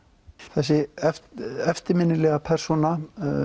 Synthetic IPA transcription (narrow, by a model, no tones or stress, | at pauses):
θɛsːɪɛfɛft̪ɪɾmɪnːɪlɛɣapʰɛr̥sɔna